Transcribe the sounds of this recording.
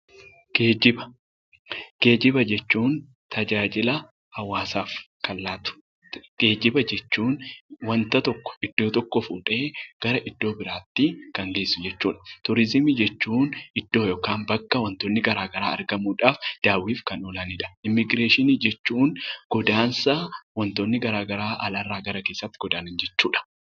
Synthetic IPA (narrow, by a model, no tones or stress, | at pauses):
ɡ̥eːd͡ʒɪbɐ | ɡ̥e̞ːd͡ʒɪbɐd͡ʒɛt͡ʃːuːn | t̪ɐd͡ʒaːd͡ʒɪlɐ | hɐwːaːsaːf | kɐlːaːt̪ʊ̥ | ɡ̥eːd͡ʒɪbɐd͡ʒɛt͡ʃːuːnwɐnt̪ɐt̪ɔkːɔ̥ɪd̪ːo̞ːt̪ɔkːɔfuːᶑʼe̞ːɡ̥ɐɾɐʔɪd̪̥ːo̞ːbɪɾaːt̪ːɪkɐŋɡe̞ːsːʊd͡ʒɛt͡ʃːuːᶑɐ̥t̪ʊɾɪzɪmiːd͡ʒɛt͡ʃːuːnɪd̪̥ːo̞ːjoːkaːnbɐkːɐwɐnt̪oːnːɪɡɐɾaːɡɐɾaːɐ̰ɾɡɐmuːᶑaːfd̪̥aːwiːfkɐnɔlanɪᶑɐ̥ɪmːɪɡɾeːʃɪniːd͡ʒɛt͡ʃːuːnɡ̥ɔd̪aːnsɐwɐnt̪oːnːɪɡɐɾaːɡɐɾaːʔɐlaːrːaːɡɐɾɐke̞ːsːɐt̪ːɪ̥ɡɔd̪aːnɪnd͡ʒɛt͡ʃːuːᶑɐ̥